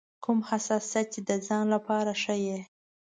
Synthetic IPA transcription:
kʰumhasɑsjat̪̚t͡ʃed̪əzɑnlapɑɾaʂəje

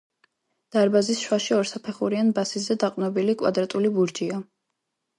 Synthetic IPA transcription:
d̪̥aɾbazisʃwaʃiɔɾsapʰɛχuɾianbasizɛd̪aqʼnɔbilikʼwa̰d̪ɾat̪ʼulibuɾd͡ʒia

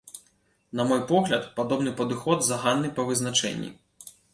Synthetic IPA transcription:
nɐmɔjpɔɣlʲɐt̪pad̪ɔbnɨpɐd̪ɨxɔd̪zɐɣanːɨpɐvɨznat͡ʂɛ̰nʲːḭ

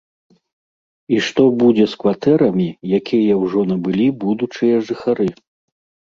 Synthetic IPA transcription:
iʂt̪ɔbud͡zʲɛskvat̪ɛɾɐmʲijakʲʰijɐwʐɔnɐbɨlʲibud̪ut͡ʂɨjɐʐɨxaɾɨ

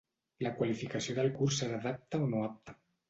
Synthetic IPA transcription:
lakwalifikasjoðəlkuɾseɾaðap̚t̪aonoap̚t̪a

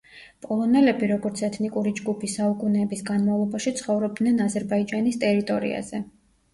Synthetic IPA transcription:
pʼɔlˠɔnɛlɛbiɾɔɡɔɾt̪sʰɛt̪ʰnikʼuɾid͡ʒɡupʰisaukʼunɛːbisɡanmavlˠɔbaʃit̪sʰχɔvɾɔb̚d̪nɛnazɛɾbaid͡ʒanist̪ʼɛɾit̪ʼɔɾḭa̰zɛ

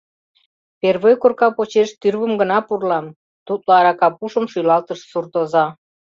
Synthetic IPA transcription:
perβojkorkɑpot͡ɕeʃt̪yrβəmɡənɑpurlɑm | t̪ut̪loɑɾɑkɑpuʃəmʃujlɑlt̪əʃsurt̪ozɑ

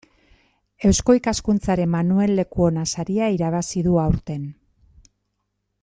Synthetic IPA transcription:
e̞wsko̞ikaskunt͡saɾe̞mːanue̞lːe̞kuo̞nasaɾiaiɾaβ̞asiðuawɾt̪e̞n

